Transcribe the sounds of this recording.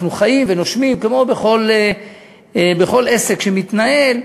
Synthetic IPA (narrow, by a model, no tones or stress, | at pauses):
nuχajimvenoʃmimkemo̞beχo̞le | beχo̞lese̞kʃemit̪nae̞l